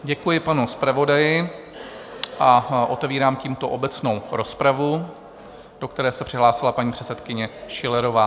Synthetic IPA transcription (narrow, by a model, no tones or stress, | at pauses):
ɟɛkujɪpanuspɾavo̞dajɪ | ʔaʔo̞t̪ɛviːɾaːmciːmt̪o̞ʔobɛt͡sno̞wɾo̞spɾavu | d̥o̞kt̪ɛɾɛːsɛpr̝̥ɪɦlaːsɪlapaɲiːpr̝̥ɛt͡sɛt̪kɪɲɛʃɪlɛɾo̞vaː